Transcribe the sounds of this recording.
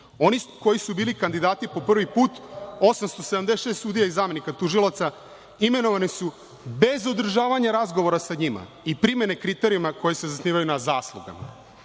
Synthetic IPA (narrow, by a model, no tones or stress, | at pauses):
o̞nikojisubiːlikand̪id̪aːt̪ipo̞pr̩ʋipuːt̪osamst̪o̞sed̪amd̪esʃest̪suːd̪ijaizaːme̞nikat̪uʒilˠat̪sa | ime̞no̞ʋanisu | be̞zo̞d̪r̩ʒaːʋaɲaɾazɡo̞ʋo̞ɾasaɲima̰ | ipɾime̞ne̞kɾit̪e̞ɾijumako̞jese̞zasniːʋajunazaːslˠuɡa̰ma̰